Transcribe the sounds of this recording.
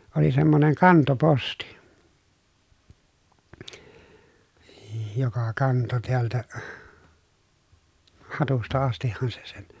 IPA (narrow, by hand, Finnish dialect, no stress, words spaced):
oli semːoneŋ kɑntoposti j jokɑ kɑnto teæltæ hɑtustɑ ɑstihːɑn se se̥n̥